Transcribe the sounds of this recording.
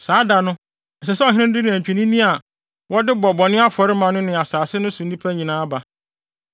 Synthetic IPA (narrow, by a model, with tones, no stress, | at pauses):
saː˨˦da˨nʊ̃˦ | ɛ˨sɛ˨sɛ˦ɔ˨ɦɪ̃˦ɪ̃˦ndɪ˦nɪ̃˨æ̃˨ɲᶣ˨i˨nĩ˦nĩ˦a˨ | wɔ˦dɪ˦bɔ˨bɔ˨nɪ̃˦a˦fɔ˨ɾɪ˦mã˨nʊ̃˦nɪ̃˨a˨saː˨sɪ˦nʊ̃˦sʊ̃˨n̩˦ĩ˦pʰæ˦ɲĩ˨nãː˦ba˨